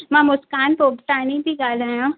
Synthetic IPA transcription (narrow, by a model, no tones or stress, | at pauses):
mãmʊskaːnpoːbt̪aːnibʱiɡaːlajõ